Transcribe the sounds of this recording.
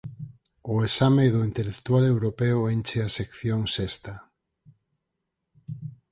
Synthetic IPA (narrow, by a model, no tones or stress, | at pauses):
oesameðoint̪elekt̪ualewɾopeoent͡ʃeasekθjoŋsest̪a